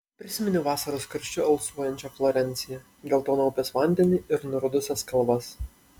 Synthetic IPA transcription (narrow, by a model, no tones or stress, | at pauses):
pʲɾʲɪsʲɪmʲɪnʲʊʋɑːsɐɾoskɐɾʲʃʲt͡ʃʲʊɐlˠsuɔjɛnʲt͡ʃʲɛflˠɔɾʲɛnʲt̪sʲɪjɛ | ɡ̪ʲɛlˠt̪oːnɔːpʲɛsʋɑˑnʲd̪ʲɛnʲɪɪɾnʊɾʊd̪ʊsʲɛskɐlˠʋɐs